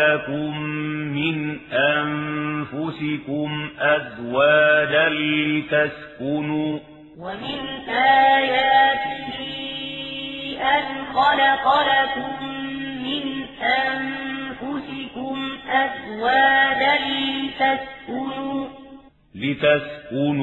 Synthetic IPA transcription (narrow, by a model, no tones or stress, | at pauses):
akʊmːɪnʔanfʊsɪkʊmʔazwaːd̪alɪt̪askʊnuː | wamɪnʔaːjaːt̪ɪhɪ | ʔanxɑlɑqɑlak̪ʊmːɪnʔanfʊsɪkʊmʔazwaːd̪alɪt̪askʊnuː | lɪt̪askʊn